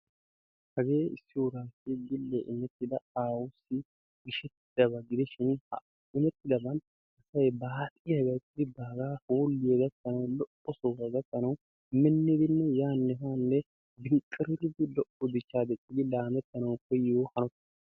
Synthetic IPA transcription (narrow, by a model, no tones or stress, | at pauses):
hɐɡe̞ːɪsːɪʊɾaːsɪɡɪlːɛʔɪmɛt̪ːɪd̪ɐaːwʊsːɪ | ɡɪʃɛt̪ːɪd̪ɐbɐɡɪd̪ɛʃɪnhɐ̰ | ɪmɛt̪ːɪd̪ɐbɐn | ɐsɐjbaːt̪ʼɪjɐɡɐjtːɪɪbaːɡaːhoːlːɪjɛɡɐt̪ːɐnɐwlɔʔɔsoːɡɐɡɐtːɐnɐw | mɛnːɪd̪ɪnːɛjaːnːɛhaːnːɛ | b̪ɪŋkʼːɪɾɪɾɪd̪ɪlɔʔɔd̪ɪt͡ʃːaːd̪ɛt͡ʃʼːɪɡ̪ɪlaːmɛt̪ːɐnɐwpːɛjɪohɐnɔt̪ː